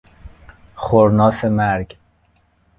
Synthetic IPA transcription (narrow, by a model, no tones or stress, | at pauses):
χoɾnɒːsemæɾɡ